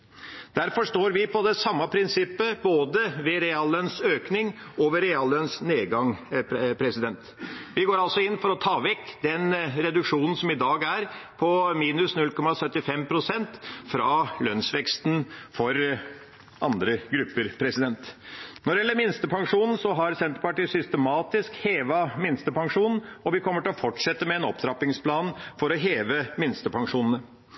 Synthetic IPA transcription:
d̪̥æɾfɔʂt̪oːɾʋɪpʰɔd̪ɛsɑmːɑpʰɾɪnsɪpːəboːd̪əʋɛɾɛɑlːœnsøːknɪŋ | ɔʋəɾɛɑlœnsneːd̪ɡɑŋpʰɾɛsɪd̪ɛnt̪ʋɪɡoːɾɑlsɔɪnːfɔɾɔt̪ʰɑːʋɛkːd̪ɛnɾɛd̪ʉkʂuːnn̩sɔmɪd̪ɑːɡæɾpʰɔmiːnʉsnʉlkʰɔmɑsœt̪ːɪfɛmpʰɾʊsɛnt̪fɾɑlœnsʋɛkst̪nfɔɾ | ɑnd̪ɾəɡɾʉpːəɾpʰɾɛsɪd̪ɛnt̪nɔɾɖɛɛlːəɾmɪnst̪əpʰɑŋʂuːnn̩sɔɦɑɾsɛnt̪əɾpɑʈiːsʏst̪əmɑːt̪ɪskheːʋɑmɪnst̪əpʰɑŋʂuːnn̩ɔʋɪkʰɔmːəʈɪlɔfɔʈʂɛt̪ːəmɛːnɔpd̪ɾɑpːɪŋspʰlɑːnfɔɾɔɦeːʋəmɪnst̪əpʰɑŋʂuːnn̩ə

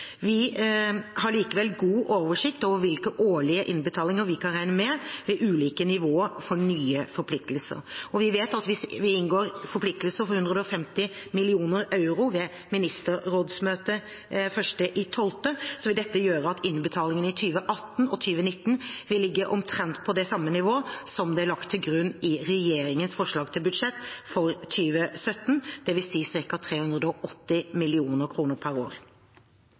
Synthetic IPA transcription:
ʋɪ | hɑɭiːkəʋɛlɡuːʔoːʋəʂɪkt̪oːʋəɾʋɪlkəʔoːɭɪəʔɪnbət̪ʰɑːlɪŋəɾʋɪkʰɑnɾæɪnəmɛʋɛʔʉːliːkənɪʋoːəɾfɔɳyːəfɔɾpʰlɪk̚t̪əl̩sə̰ɾɔʋɪʋeːt̪ɑt̪ʋɪsʋɪɪnɡoːɾfɔɾpʰlɪk̚t̪əlsəɾfɔɾhʉnd̪ɾəd̪əɔfɛmt̪ɪmɪlɪuːnəɾɑʉɾʊʋɛ | mɪnɪst̪əɾɾoːd̪smøːt̪ə | fœʂʈəʔɪt̪ʰɔlt̪əsɔʋɪld̪ɛt̪ːəjøːɾəɑt̪ɪnːbət̪ʰɑːlɪŋənɪt̪ʰyːʋəʔɑt̪ːn̩ɔt̪ʰyːʋənɪt̪ːn̩ʋɪlːɪɡːəʔɔmt̪ʰɾɛnt̪pʰɔd̪ɛsɑmːənɪʋoːsɔmd̪ɛælɑkt̪ʰːɪlɡɾʉnːɪɾɛjeːɾɪŋənsfɔʂlɑːɡt̪ʰɪlbʉd̪ʂɛt̪ːfɔɾt̪ʰyːʋəsœt̪ːnd̪̥ɛʋɪsiːsɪɾkɑt̪ʰɾeːhʉnd̪ʁəd̪əɔʔɔt̪ːɪmɪlɪuːnəɾkʰɾuːnəɾpʰæɾo̰ːɾ

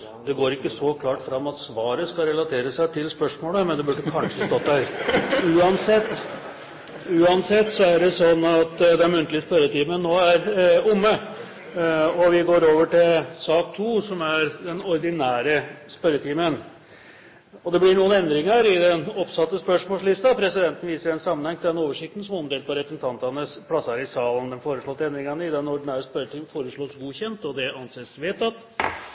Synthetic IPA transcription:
d̪̥ɛɡoːɾɪkːəsɔkʰlɑːʈfɾɑmːɑt̪sʋɑːɾəskɑɾɛlɑt̪ʰeːɾəsæɪt̪ʰɪlspœʂmoːləmɛnd̪ɛbʉɖəkʰɑnʂəst̪ɔt̪̚d̪æɾʉːɑnsɛt̪ː | ʉːɑnsɛt̪ːsɔæɖɛsɔnːɑt̪d̪ɛnmʉnt̪əlɪəspœɾət̪iːmənːoːæɾʊmːə | ɔʋɪɡoːɾoːʋəʈɪlsɑːkt̪ʰuːsɔmæɾd̪ɛnɔɾd̪ɪnæːɾəspœɾət̪ʰiːmən | ɔd̪ɛblɪɳuːənɛnd̪ɾɪŋəɾɪd̪ɛnɔpsɑt̪ːəspœʂmɔːslɪst̪ɑpʰɾɛsɪd̪ɛnt̪n̩ʋiːsəɛnsɑmːənhɛŋt̪ʰɪld̪ɛnoːʋəʂɪk̚t̪n̩sɔmɔmd̪eːl̚pʰɔɾɛpɾəsn̩t̪ʰɑnt̪ɑnəspʰɽɑsɑɾɪsɑːlənd̪ɛnfoːɾəʂɭɔt̪ːəɛnd̪ɾɪŋɑnəɪd̪ɛnɔɾɖ̪ɪnæːɾəspœɾət̪ʰiːmfoːɾəʂɭoːsɡuːçɛnt̪ɔd̪ɛɑnseːsʋeːt̪ɑt̪

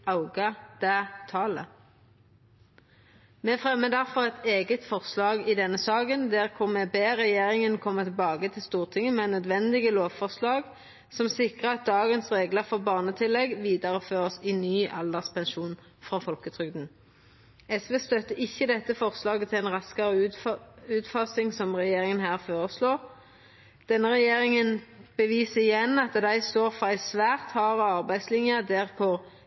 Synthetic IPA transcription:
ɑʊɡɑd̪̥æt̪ʰɑːlə | mɛfʁɛmːəd̪æʁfɔʁɛt̪ʰeːɡət̪fɔʁslɑːɡɪd̪ɛnːəsɑːɡənd̪æːʁkʰʊʁmɛbeːʁɛjeːʁɪŋənkʰɔmːət̪ʰɪlbɑːɡət̪ʰɪlst̪uːʁt̪ʰɪŋːəmɛːnœd̪ʋɛnd̪ɪɡəloːʋfɔʁslɑːɡ | sɔmsɪkʁəɑt̪̚d̪ɑːɡənsʁeːɡləʁfoːʁbɑːʁnət̪ʰɪlɛɡʋiːd̪əʁəføːʁəsɪnyːʔɑld̪ɑʁspʰɛnʃuːn | fʁɑfɔlkət̪ʰʁʏɡd̪n̩ | ɛsʋeːst̪œt̪ːəɪçːəd̪ɛt̪ːəfɔʁslɑːɡət̪ʰɪlɛnʁɑskɑʁə | ʉːt̪fɑsɪŋsɔmʁɛjeːʁɪŋənɦæːʁfoːʁəsloːʁ | d̪̥ɛnːəʁɛjeːʁɪŋənb̥əʋiːsəɪjɛnːɑt̪d̪æɪst̪oːʁfɔɾæɪsʋæːʁt̪hɑːʁəɑʁbæɪd̪slɪnjəd̪æʁkʰʊʁ

